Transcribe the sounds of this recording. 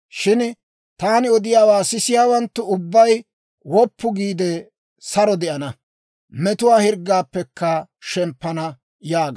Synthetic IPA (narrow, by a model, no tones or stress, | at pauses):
ʃɪn | t̪aːnɪɔd̪ɪjaːwaːsɪsɪjaːwɐnt̪ːʊʊbːɐj | wɔpːʊɡiːd̪ɛ | sɐɾɔd̪ɛʔɐnɐ | mɛt̪ʊwaːhɪɾɡːaːpːɛkːɐʃɛmpːɐnɐ | jaːɡ